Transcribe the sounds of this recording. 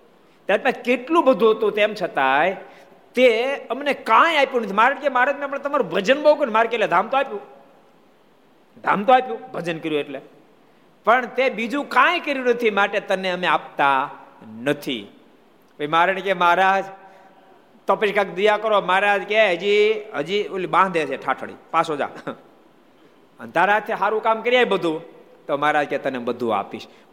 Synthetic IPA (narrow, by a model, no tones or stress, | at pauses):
t̪jaːɾpaskeʈlũbəd̪ʱut̪ũt̪eːmt͡ʃʰət̪ae | t̪eəmnekãːjapjunət̪ʰimaːɾəɳkemaɾaːd͡ʒmẽəpnet̪əmaːɾubəd͡ʒənbokunemaːɾkeled̪ʱaːmt̪oaːpju | d̪ʱa̰ːmt̪oaːpjũbʱəd͡ʒənkəɾjũeʈle | pəɳt̪ebid͡ʒũkãːj̃kəɾjunət̪ʰimaːʈet̪əneəmẽaːp̚t̪anət̪ʰḭ | koimaɾñikemaɦɾad͡ʒ | t̪ɔpiʃkakd̪ijakəɾomaɦɾaːd͡ʒkeɦəd͡ʒiɦəd͡ʒiolibãːd̪ʱesʰeʈʰaʈʰəɽḭpasod͡ʒa̰ | ənd̪ʱaɾad͡ʒt̪ʰeɦaːɾũkaːmkəɾijaibəd̪ʱũ | t̪omaɾaːd͡ʒket̪ənebəd̪ʱṵa̰piʃ